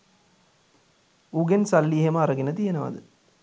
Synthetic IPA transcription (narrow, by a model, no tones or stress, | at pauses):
uɡensɐlːiːɦɐmɐɾɐɡinɐt̪ijɐnɐʋɐ̰d̪ɯ